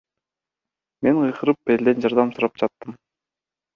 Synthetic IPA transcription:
me̞nqʰɯjqʰɯɾɯpe̞ld̪e̞nd͡ʒɑɾd̪ɑmsuɾɑp̚d͡ʒɑt̪ːɯm

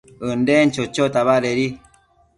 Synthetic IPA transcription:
ɨndent͡ʃot͡ʃot̪aβaɾeɾi

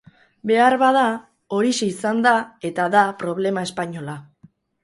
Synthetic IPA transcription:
be̞aɾβað̞a | o̞ɾiseisand̪ae̞t̪aðapɾo̞β̞le̞mae̞spaɲo̞la

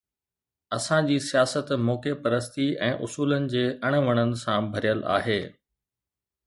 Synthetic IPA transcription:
ɐsãd͡ʑiːsijaːsət̪moːkepɐɾəst̪iɛ̰̃ːʔʊsuːlənɪ̆d͡ʑeːʔɐɽ̃ʋəɽ̃ənɪ̆sãbʱɐɾijəla̰ːɦeː

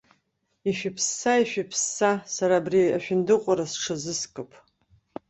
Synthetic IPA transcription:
iʃᶣɪpʰsːaiʃᶣipʰsːasaɾaːbriaʃᶣɪndɨqʷʼaɾasʈ͡ʂʰɨzɨskʼɨpʰʼ

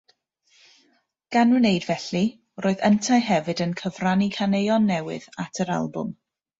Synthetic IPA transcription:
ɡ̥anɨnejdvɛɬi | roːɨðəntʰajɦɛvɨdənkʰəvranikʰanejɔnːɛwɪ̰ðatʰəɾa̰lˠbʊ̰m

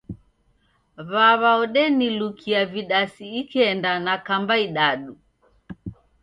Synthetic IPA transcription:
βaβaɔɗɛnilukʰiaviɗasiːkɛndanakambaiɗaɗu

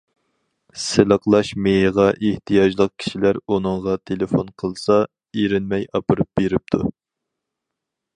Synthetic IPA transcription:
sɪlˠəqlˠɑʃmeɦəʁɑʔeht̪ʰijɑʒlˠəq̚kʲʰi̥ʃilæɾunɨŋʁɑt̪ʰelɪfonqʰəlˠsɑ | eɾɪnmɛjɑpɨɾup̚beɾɪp̚t̪ʰṵ

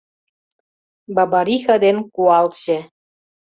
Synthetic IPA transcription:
bɑbɑɾixɑd̪enkuɑlt̪ɕĕ

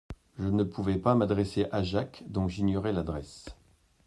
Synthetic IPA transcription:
ʒənəpʰuvɛpamad̪ʁeseʔaʒakd̪ɔ̃ʒiɲɔʁɛlad̪ʁɛs

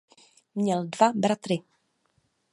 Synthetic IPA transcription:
mɲɛldvabɾat̪ɾɪ

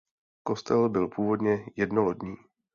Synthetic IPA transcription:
ko̞st̪ɛlbɪlpʰuːvo̞dɲɛjɛdnoɦodɲiː

